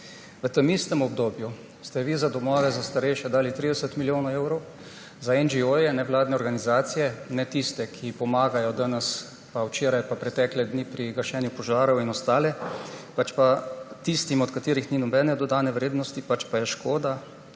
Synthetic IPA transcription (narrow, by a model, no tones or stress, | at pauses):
ʋət̪əmist̪ɛmɔbd̪oːbju | st̪ɛʋizad̪ɔmɔːʋɛzast̪aɾɛjʃɛd̪aːlit̪ɾid̪ɛsət̪miljoːnaewɾɔw | zaɛnd͡ʒiojɛnɛʋlaːd̪nɛɔɾɡanizaːt̪sijɛnɛt̪ist̪ɛkʰipɔmaːɡajɔd̪anɛs | pawt͡ʃeːɾajpapɾɛt̪ɛklɛd̪niːpɾiɡəɾʃɛːnjupɔʒaːɾɔwinɔst̪aːlɛpat͡ʃpat̪ist̪imɔt̪kat̪iːɾixninɔbɛːnɛd̪ɔd̪aːnɛʋɾeːd̪nɔst̪ipat͡ʃpajɛʃkoːd̪a